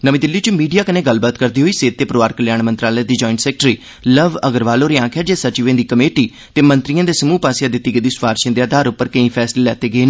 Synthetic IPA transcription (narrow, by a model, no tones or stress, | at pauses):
nəʋĩːd̪ɪlːiːt͡ʃəmiːɖijaːkəneːɡəlbaːt̪kəɾd̪iːɦoːiːseːt̪ːeːpəɾoːʋaːɾkəljaːnmənt̪ɾaːləjãːd̪iːd͡ʒɔːɪ̃ɳʈsɛːk̚ʈɾiː | ləʋəɡəɾʋaːloːɾeːãːkʰaːd͡ʒeːsət͡ʃiʋẽːd̪iːkəmeːʈiː | t̪eːmə̃nt̪ɾijãːd̪eːsəmuːpaːsjaːd̪ɪt̪ːiːɡəd̪iːsʋaːɾʃẽnd̪eaːd̪ʱaːɾʊpːəɾkə̃ĩːpʰɛːsleːlɛːt̪eːɡəeːnãː